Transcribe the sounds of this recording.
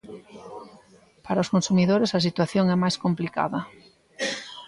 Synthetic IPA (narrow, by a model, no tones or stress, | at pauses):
paɾɐʊskonsumiðoɾesɐs̬it̪waθjoŋɛmajskomplika̰ðɐ